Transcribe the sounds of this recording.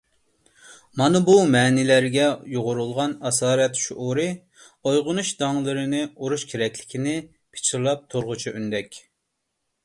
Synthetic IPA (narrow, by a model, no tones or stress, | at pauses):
mɑnɨbumɛːnɪlæɾɡʲɛjoʁʊɾulˠʁɑnɑsɑːɾɛt̪ʃuʔuɾɨ | ojʁʊnuʃd̪ɑŋlˠɨɾɨnɨuɾuʃkʲʰeɾɛkʲʰlɪkʲʰinɪ | pʰɪ̥t͡ʃʰiɾlˠɑp̚t̪ʰoɾʁʊt͡ʃʰiʔynd̪ɛkʲ